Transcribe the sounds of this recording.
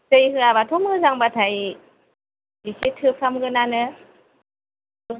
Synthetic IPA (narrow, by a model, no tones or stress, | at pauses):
sɯjɦɯabatʰɔmɯzaŋbatʰaj | bisetʰɯpʰamɡɯnanɯ